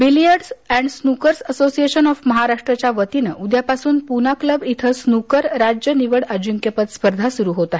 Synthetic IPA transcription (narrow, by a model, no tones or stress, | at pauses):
bilijəɾɖsɛ̃ɳɖsnukəɾsəsosieɕənɔfməɦaɾaʂʈɾət͡ɕjaʋət̪inəʔud̪japasuːnpunakləbit̪ʰəsnukəɾɾad͡ʑjəniʋəɽəd͡ʑuŋkjepət̪spəɾd̪ʱasuɾuːɦot̪aɦe